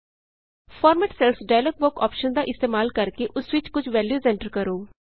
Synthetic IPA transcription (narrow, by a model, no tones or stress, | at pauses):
pʰɔːɾmɛːʈsɛlsɖaːlək̚bʊkɔ̰ːpʃənd̪aːʔɪst̪eːmaːlkəɾkeʔʊsʋɪt͡ʃkʊt͡ʃʰʋɛːljuːsɛ̃ɳʈəɾkəɾoː